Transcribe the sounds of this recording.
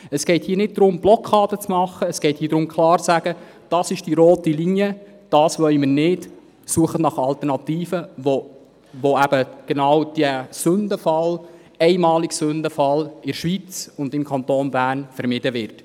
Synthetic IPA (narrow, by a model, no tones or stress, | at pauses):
əsɡ̥ɛɪthiːnɪt̚dɾʊmb̥lɔkʰɑːd̥ət͡smɑχəːsɡ̥ɛɪthiːdɾʊmkʰlɑːɾt͡sæɡ̥ə | d̥ɑːsɪʃd̥iɾoːtilinjə | d̥ɑːsʋœʏməɾnɪd | suəχətnɑχɑlt̪əɾnɑtiːfəo | ʋoæb̥əɡ̥ɛnɑwd̥əsɵndəfɑl | ɛɪmɑːliɡsʉndəfɑlɪɾʃʋit͡sʊnd̪ɪmkʰɑntoːnbæːɾnfəɾmɪd̥əʋɪrt